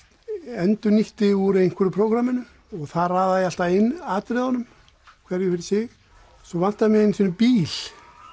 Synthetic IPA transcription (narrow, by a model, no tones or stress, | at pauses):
ɛnt̪ʏniht̪ɪuɾejn̥kʰʏɾʏpʰɾoːwkɾamɪnʏ | ɔɣθaðraːðajɪal̥t̪aɪnːaːt̪ɾɪðɔnʏm | kʰvɛɾjʏfɪɾɪ̥sɪɣ | sɔvan̥t̪aðmjɛɪnːisɔnʏpiːl̥